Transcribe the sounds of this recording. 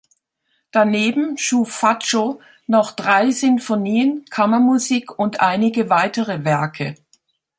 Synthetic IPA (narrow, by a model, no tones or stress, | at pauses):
d̥aneːbm̩ʃuːfːat͡ʃo | nɔχd̥ʁaɪzʏnfoniːənkʰamɐmuziːkʊntʔaɪnɪɡəvaɪtəʁəvɛɐkʰə